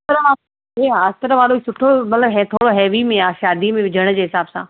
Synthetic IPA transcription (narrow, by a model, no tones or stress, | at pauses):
t̪əɾəa | ɦeːaɐst̪əɾəʋaːloɦisʊʈʰomɐt̪ləbɦɛt̪ʰoːɽoɦɛːʋimẽaːʃaːd̪imẽʋɪd͡ʑʱəɽ̃d͡ʑeːɦɪsaːbsã